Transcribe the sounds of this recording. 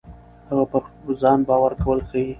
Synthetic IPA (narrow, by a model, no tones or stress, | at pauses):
haɣapaɾzɑnbɑwaɾkawəlxawi